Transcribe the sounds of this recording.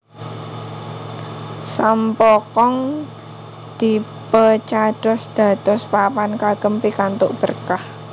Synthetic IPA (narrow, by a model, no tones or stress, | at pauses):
sampɔkɔŋ | d̪̥i | pət͡ʃaɖ̪̥ɔsd̪̥a̤d̪̥ɔspapankaɡ̥əmpikant̪ʊʔb̥ərkah